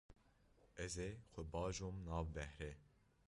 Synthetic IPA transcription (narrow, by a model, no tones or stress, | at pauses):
ɛzexʷɛbɑːʒomnɑːvbɛhɾɛ